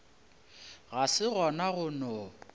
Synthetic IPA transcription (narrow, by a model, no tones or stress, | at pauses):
ɣasɪɣɔnaɣʊnɔ